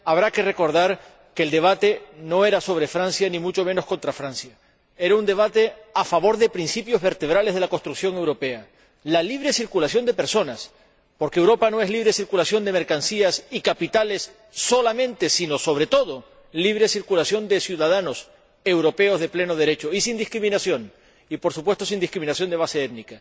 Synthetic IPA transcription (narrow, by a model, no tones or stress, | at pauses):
aβ̞ɾake̞re̞ko̞ɾð̞aɾ | ke̞ːld̪e̞β̞at̪e̞no̞e̞ɾaso̞β̞ɾe̞fɾansjanĩmut͡ʃo̞meno̞sko̞nt̪ɾafɾansja | e̞ɾaund̪eβ̞at̪e̞afaβo̞ɾðe̞pɾinsipjo̞zβe̞ɾt̪e̞β̞ɾale̞zð̞e̞lako̞st̪ɾuksjo̞ŋewɾo̞pe̞a | laliβ̞ɾe̞siɾkulasjo̞nd̪e̞pe̞ɾso̞nas | po̞ɾkeewɾo̞pano̞e̞ɦliβɾe̞siɾkulasjo̞nd̪e̞me̞ɾkansiasikapit̪ale̞sː | o̞lamẽnt̪e̞sino̞so̞β̞ɾe̞t̪o̞ðo̞ | liβɾe̞siɾkulasjo̞nd̪e̞sjuðaðano̞s | e̞wɾo̞pe̞o̞zð̞e̞ple̞no̞ð̞e̞ɾe̞t͡ʃo̞isind̪ihkɾimĩnasjo̞n | ipo̞ɾsupwe̞st̪os̬ind̪ihkɾiminasjo̞nd̪e̞β̞ase̞et̪̚nika